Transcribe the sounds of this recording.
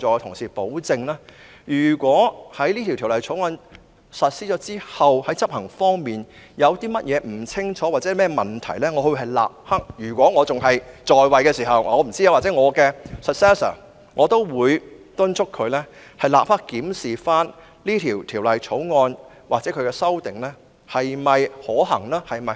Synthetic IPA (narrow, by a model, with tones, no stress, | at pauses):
ɔː˨˩t̪ʰʊ˨˩ŋsiː˨˩po˨˥wt͡sɪ˧ŋlaː˥ | jyː˨˩kʷɔː˨˥hɐ˨˥jli˥t̪ʰi˨˩t̪ʰi˨˩lɐ˨˩jt͡sʰo˨˥wŋɔː˧n | sɐ˨t̚siː˧˥t͡ʃɔː˨˥t͡siː˥hɐ˨whɐ˨˥jt͡sɐ˥p̚hɐ˨˩ŋfɔː˥ŋmiː˨njɐ˨˧wt̪iː˥mɐ˥t̚jʔɛː˨˧m̩˨˩t͡sʰɪ˥ŋt͡ʃʰɔː˨˥waː˨t̚t͡sɛ˨˥˨mɛː˥mɐ˨˩nt̪ʰɐ˨˩jlɛː˥ŋɔ˨˧ɵ˧wɦɐ˨jla̰ː˨p̚hɐ˥k̚jyː˨˩kʷɔː˨˥ŋɔː˨˧t͡sʊ˨ŋɦɐ˨jt͡sɔː˨jwɐ˨jkɛː˧siː˨˩ɦɐ˨w̰ːɔː˨˧m̩˨˩t͡siː˥ja˧waː˨t͡sɛː˨˥ŋɔː˨˧kɛː˧sɐ˨t̚sɛː˥sɐ̰ː˨˩ | ŋɔː˨˧t̪o˥wwuː˨˧j | t̪ʊ˥nt͡ʃʰʊ˥kʰːɵ˨˧ɥlɛ˥ | hɐ˨jla̰ː˨p̚hɐ˥kkːiː˨˥msiː˨faː˥n | liː˥t̪ʰiː˨˩wt̪ʰiː˨˩wlɐ˨jt͡ʃʰo˨˥wŋɔː˧n | waː˨k̚t͡sɛː˨˥kʰɵ˨˧ɥkɛː˧sɐ˥wt̪ɪ˨ŋlɛː˥ | hɐ˨jmɐ˨jhɔː˨˥ɦɐ̰˨˩ŋlaː˥hɐ˨jmɐ˨